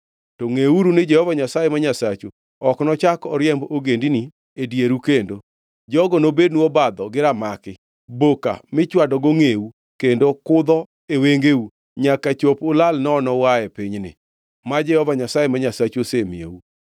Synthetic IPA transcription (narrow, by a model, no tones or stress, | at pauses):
tɔŋeuɾunɪd͡ʒɛhɔvaɲasajemaɲasat͡ʃo | ɔknɔt͡ʃakɔɾjɛmboɡendini | edjeɾukendo | d͡ʒɔɡɔnobednuobad̪ɔɡɪɾamakɪ | boka̰mɪt͡ʃwadɔɡoŋeu | kendokʊd̪ɔ | eweŋɡeu | ɲakat͡ʃopʊlalnɔːnɔwajɛpɪɲnɪ̰ | mad͡ʒɛhɔvaɲasajemaɲasat͡ʃosemḭḛu